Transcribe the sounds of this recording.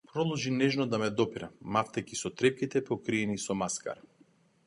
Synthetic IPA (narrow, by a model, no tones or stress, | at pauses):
pɾɔd̪ˠɔʒinɛʒnɔd̪amɛd̪ɔpiɾamaft̪ɛkisɔt̪ɾɛp̚kit̪ɛpɔkɾiɛnisɔmaska̰ɾ